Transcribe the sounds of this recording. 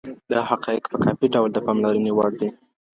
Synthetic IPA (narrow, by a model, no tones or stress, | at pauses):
d̪əhaqɑɪkpəkɑpiɖawld̪əpɑmlaɾənewɑɽd̪i